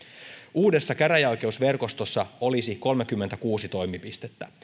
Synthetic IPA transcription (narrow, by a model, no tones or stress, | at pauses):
uːde̞sːɑkæɾæjojk̟e̞usʋe̞rko̞st̪osːɑo̞lisiko̞lmek̟ymːet̪ækuːsit̪o̞jmipist̪e̞t̪ːæ